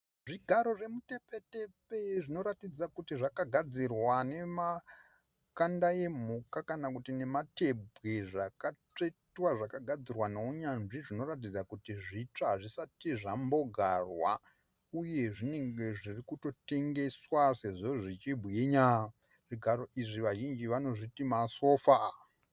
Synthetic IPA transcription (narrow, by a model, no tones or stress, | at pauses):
ʐiɡʱaɾo̞ʐe̞mutepe̞tepe̞ʐino̞ɾatid͡zakutiʐakaɡʱad͡zirwane̞ma | kandaje̞m̤ukakanakutine̞mate̞bʱɣeʐakat͡ʂe̞twaʐakaɡʱad͡zirwanouɲanʐiʐino̞rat̬id͡zakutiʐit͡ʂaʐisatiʐambo̞ɡʱarwa | uje̞ʐine̞ŋɡe̞ʐirikuto̞te̞ŋɡe̞swase̞ʐo̞ʐit͡ʃibʱujeɲa | ʐ̥iɡʱaɾo̞ʔiʐiʋaʒind͡ʒiʋano̞ʐitimaso̞ːfa